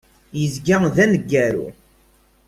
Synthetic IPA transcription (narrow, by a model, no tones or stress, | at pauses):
jəzɡaðænəɡːæɾṵ